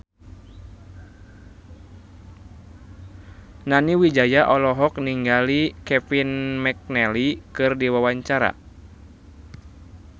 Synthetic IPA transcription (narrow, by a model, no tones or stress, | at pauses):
naniwid͡ʒajaʔɔlɔɦɔk̚niŋɡalikɛfinmɛk̚nɛlikɨrdiwawaɲt͡ʃaɾa̰